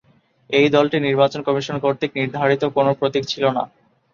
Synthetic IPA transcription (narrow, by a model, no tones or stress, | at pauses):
ejd̪ɔlʈiniɾbat͡ɕonkɔmiʃonkoɾt̪ik̚niɾd̪ʱaɾit̪okonopɾot̪ikt͡ɕʰilona̰